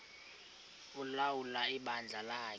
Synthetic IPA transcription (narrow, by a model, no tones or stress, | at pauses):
ulawulaiɓand͡ɮʱalaː